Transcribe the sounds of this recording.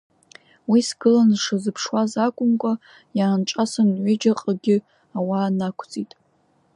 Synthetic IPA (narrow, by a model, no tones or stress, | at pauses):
wisɡɨlanʂɨzɨpʰʂwazakʷʼʊmkʷʼa | jaːnʈ͡ʂʼasanʕʷɪd͡ʒaqʼəɡʲɪ | awaːnakʷʰt͡sʼitʼ